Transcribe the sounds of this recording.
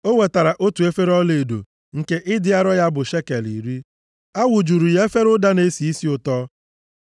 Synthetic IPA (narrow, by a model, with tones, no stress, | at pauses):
o˦we˨ta˨ɾa˨ʔo˦tu˨e˦fe˦ɾɔ˦le˨do̰˨ | ŋ̩˨ke˦ʔɪ˦dɪ˦a˦ɾɔ˦ja˦bʊ˨ʃe˦ke˨lḭ˨ɾi˦ | a˦wʊ˨d͡ʒu˨ɾu˨je˦fe˦ɾʊ˦da˦ne˦si˨i˦si˦ʊ˦tɔ˦